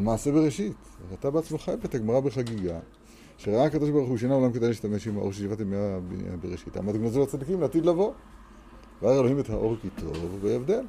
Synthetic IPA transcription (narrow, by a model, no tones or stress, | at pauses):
maːse̞beʁeʃit | at̪abeat͡smaχaevet̪aɡmaʁabeχaɡiɡa | ʃeʁaaakad̪o̞ʃbaʁuχxuʃenaolamkedajliʃt̪ameʃimhao̞̰ʃeʃivat̪imiab̰beʁeʃitha̰mat̪ɡnozoat͡sad̪ikimlet̪id̪lavo̞ | veajaʁelohimethaʔo̞ʁkit̪ʰo̞vbeevd̪e̞l